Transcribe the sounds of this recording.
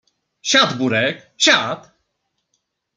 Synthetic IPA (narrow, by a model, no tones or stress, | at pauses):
ɕad̪buɾɛk | ɕat̪